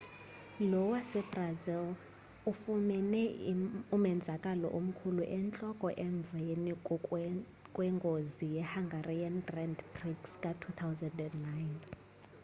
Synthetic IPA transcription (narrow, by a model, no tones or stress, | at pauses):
lɔwasɛbrazil | ufumɛnɛumɛnd͡zʱakʼalɔ̰ʔum̩kʰuluʔɛnt͡ɬʼɔkʼɔʔɛɱvʱeni | kʼwɛŋɡʱozijɛhaŋɡʱariandrɛndbriɡskʼatʰut̪ʰawzandɛndnajn